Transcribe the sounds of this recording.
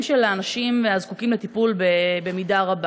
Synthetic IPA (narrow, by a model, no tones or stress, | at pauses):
mʃelaːnaʃimveazkukimlet̪ipulbebe̞midaʁaba